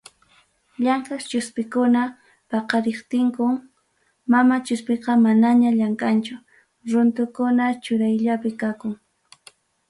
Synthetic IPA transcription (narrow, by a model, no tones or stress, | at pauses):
ʎaŋkast͡ʃʊspɪkʊna | pɑqɑɾeχt̪ɪŋkʊŋ | mamat͡ʃʊspeqɑmanaɲaʎaŋkʼant͡ʃʊ | ɾʊnt̪ʊkʊnat͡ʃʊɾajʎapɪkakʊŋ